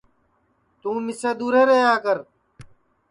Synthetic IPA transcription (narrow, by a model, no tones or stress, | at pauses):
t̪ũːmɪseːd̪uːɾeːɾeɦjaːkəɾ